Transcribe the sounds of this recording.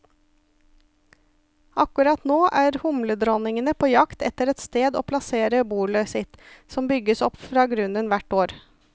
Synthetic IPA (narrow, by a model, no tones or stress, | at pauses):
ʔɑkʉɾɑt̪noːʔæːɾhʊmləd̪ɾɔnɪŋənəpʰoːjɑkt̪ɛt̪əɾɛt̪st̪eːd̪o̰ːpʰlɑseːɾəbuːɭəsɪt̪sɔmbʏɡəsɔpfɾɑːɡɾʉnənʋæʈoːɾ